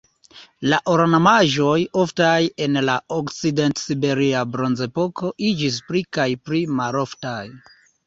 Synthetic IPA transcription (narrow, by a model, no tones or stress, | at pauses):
laʔoɾnamaʒo̞jo̞ftaje̞nlaokt͡side̞ntsibe̞ɾiabɾo̞nze̞po̞ko̞ʔid͡ʒis̬pɾikajpɾimaɾo̞ftaj